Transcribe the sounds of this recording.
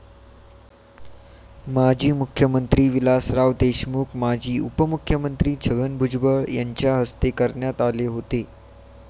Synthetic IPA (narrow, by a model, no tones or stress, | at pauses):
mad͡ʑʱiːmukʰjəmənt̪ɾiːʋilasɾaʋd̪eɕmukmad͡ʑʱiːupəmukʰjəmənt̪ɾiːt͡ɕʰəɡənbʱud͡ʑbəɭjaɲt͡ɕjaɦəst̪ekəɾɳjat̪aleɦot̪e